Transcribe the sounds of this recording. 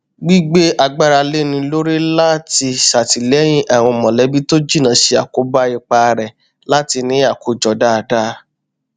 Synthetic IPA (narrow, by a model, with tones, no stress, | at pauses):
ɡ͡bi˦ɡ͡be˦a˧ɡ͡ba˦ɾa˧le˦nĩ˧lo˦ɾe˦la˦ti˧ʃa˨ti˨lɛ˨˦j̃ĩ˦ʔa˦˨w̃ɔ̃˧˨mɔ̃˨lɛ˨˦bi˦to˦d͡ʒi˦˨nã˨˦ʃe˧˦a˨ko˨˦ba˦i˨k͡pa˧ɾɛ˨ | la˦ti˧nĩ˦a˦˨ko˨d͡ʒɔ˨da˦˧˨da˦